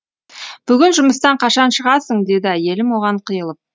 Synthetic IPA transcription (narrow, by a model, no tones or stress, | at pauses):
b̥ʏɡʲɪnʒʊməst̪ɑɴqʰɑʃɑnʃəʁɑsəɴd̪e̞d̪ɪæje̞lɪmwo̞ʁɑɴqʰəjəlˠəp̚